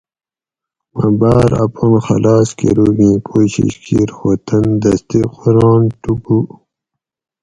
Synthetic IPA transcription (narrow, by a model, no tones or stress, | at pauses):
mɐbaːɾɐ̰ponxɐ̰laːskḛɾuːɡĩːpʰoːɕḭɕkʰiɾwɐt̪ɐnd̪ɐst̪iqoɾɑ̃ːnʈupu